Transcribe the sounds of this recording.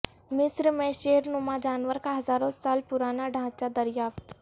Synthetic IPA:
mɪsɾmẽʃeɦɾnʊmad͡ʒaːnʋəɾkaɦɐzaːɾõsaːlpʊɾaːnaɖʱãːt͡ʃad̪ɐɾjaːft̪

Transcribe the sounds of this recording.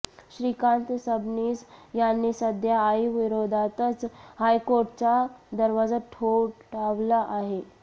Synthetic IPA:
ɕɾikant̪əsəbniːsjanːisəd̪ʱjaːjʋiɾod̪ʱat̪ət͡shajkoɾʈt͡ɕad̪əɾʋad͡zaʈʰoʈaʋlaʔaɦe

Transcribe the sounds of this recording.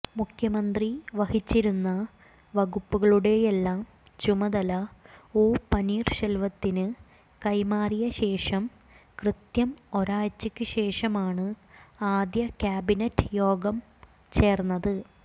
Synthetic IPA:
mukʰjɐmɐnd̪riʋɐhit͡ɕːiɾunːɐ | ʋɐɣupːuɣɐɭuɽe̞jelːaːm | t͡ɕumɐd̪ɐlɐoːpɐniːrɕɐlʋɐt̪ːinɨ | kɐjmaːrijɐɕe̞ːʂɐm | krɨt̪jɐmo̞ɾaːjt͡ɕːɨkʲːɨɕe̞ːʂɐmaːɳɨaːd̪jɐkʲaːbinɐtːɨ̥jo̞ːɡɐm | t͡ɕe̞ːrnːɐðɨ

